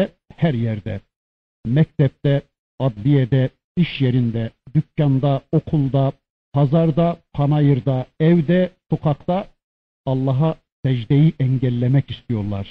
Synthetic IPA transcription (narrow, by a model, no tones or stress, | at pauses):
ɛ | hæɾjɛɾd̪ɛ̰ | mɛc̚t̪ɛp̚t̪ɛ | ɑd̪lijɛd̪ɛ | iʃjeɾind̪ɛd̪ycʲːɑnd̪ɑokʰulˠd̪ɑ | pʰɑzɑɾd̪ɑpʰɑnɑjɯɾd̪ɑɛvwd̪ɛsoqʰɑqt̪ɑ | ɑlˠːɑɦɑ | sɛd͡ʒd̪ɛjiʔɛɲɟɛlʲːɛmɛcist̪ʰijo̞ɾlˠɑ̰ɾ̥